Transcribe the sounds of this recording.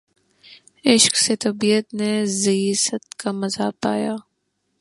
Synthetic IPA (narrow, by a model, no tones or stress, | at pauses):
ɪʃkset̪ɐbiːət̪nezɐisət̪kamɐzaːpaːjaː